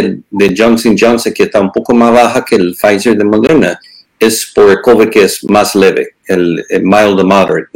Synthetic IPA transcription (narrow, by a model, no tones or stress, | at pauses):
d̪ed͡ʒãnsind͡ʒãnsekeest̪aumpokomasβaxakeːlfajseɾðemaðena | espoɾekoβekeesmasleβḛelmajlˠd̪əmaðeɾt̪̚